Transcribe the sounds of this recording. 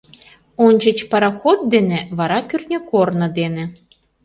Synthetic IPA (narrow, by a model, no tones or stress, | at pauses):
onʲd͡ʑə̆t͡ɕpɑɾɑxot̪̚d̪enĕβɑɾɑkʲyrnʲɘkornɤ̆d̪enĕ